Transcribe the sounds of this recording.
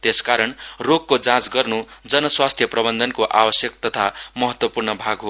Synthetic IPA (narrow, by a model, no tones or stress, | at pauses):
t̪eskaɾʌnroɡ̚kːod͡zãt͡sɡʌrnud͡zʌnʌswast̪ʰjʌprʌbʌnd̪ʱʌnkoʔabʌsjʌkt̪ʌt̪ʰamʌɦʌt̪wʌpurnʌbʱaɡɦo